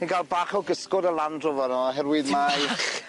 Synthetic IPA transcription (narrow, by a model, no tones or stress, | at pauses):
niɡʰalˠbaːχɔɡəskɔdəlˠandrɔvɔnɔɦɛrwɪðmajχ